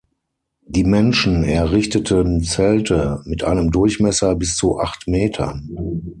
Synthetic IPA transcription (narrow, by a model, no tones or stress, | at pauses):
d̥iːmɛnʃn̩ɛɐʁɪçtətʰənt͡sɛltʰəmɪtʔa̰ɪnəmdʊɐçmɛsɐbɪst͡suʔa̰χtmeːtʰɐ̰n